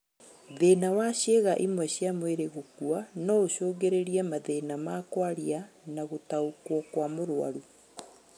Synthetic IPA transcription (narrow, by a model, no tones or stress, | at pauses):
ðeːnawaɕeɣaʔimwɛɕjamweɾeɣokuanɔoʃoːɡeɾeɾiɛmaðeːnamaːkwaɾja | naɣotaokwɔkwamoɾwa̰ɾu